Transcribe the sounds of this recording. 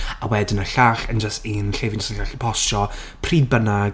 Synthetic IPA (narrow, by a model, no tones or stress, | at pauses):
a̰wɛdɪnəɬaːɬənd͡ʒəstinɬevɪnd͡ʒəsəaɬpʰɔsɔ | pʰriːbəna